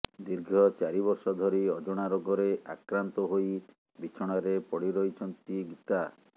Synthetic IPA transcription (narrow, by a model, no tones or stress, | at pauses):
d̪iɾɡʱɔt͡ʃaɾibɔɾsɔd̪ʱɔɾiɔd͡ʒoɽ̃aɾoɡɔɾeʔa̰kɾant̪ɔɦoj | bit͡ʃʰɔɽ̃aɾepɔɽiɾɔit͡ʃʰɔnt̪iɡit̪a